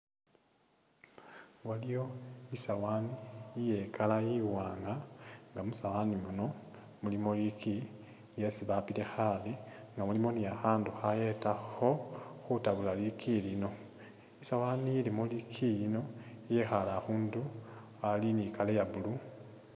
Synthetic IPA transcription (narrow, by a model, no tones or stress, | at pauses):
walijo̞isawaniːjekʰalajiwaːŋɡaŋɡamusawanimuno̞ | mulimoliki | je̞siβapite̞xaliŋɡamulimo̞nijaxaːnduxaje̞taxo̞xutaβulalikʰilino̞ | isawaːnijilimolikʰijino̞ije̞xalaxuːndu | alinikalejaβulu